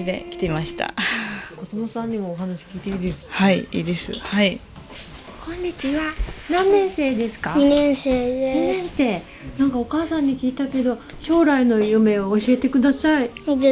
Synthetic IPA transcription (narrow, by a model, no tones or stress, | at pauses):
id̪e̞̰kʲi̥t̪e̞maɕi̥t̪a̰kod̪o̞mosãɲ̟ːimoːɦanaɕi̥ɡit̪ʲeiːd̪esɨ̥haiiːd̪e̞sɨ̰hai | kʰõ̞ɲːit͡ɕiβanãnːẽ̞ɰ̃se̞ːd̪e̞sɨ̥kaɲinẽɰ̃seːɲinẽɰ̃se̞ː | nãŋkao̞kaːsãɲ̟ːikʲiːt̪ake̞d̪o̞ | ɕo̞ːɾaino̞jɯ̟me̞oːɕie̞t̪e̞kɯ̟d̪asai